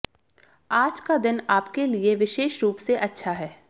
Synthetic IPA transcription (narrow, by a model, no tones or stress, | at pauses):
aːd͡ʒkad̪ɪnaːpkelieʋɪʃeːʃɾuːpseʔɐtːʃʰaɦɛː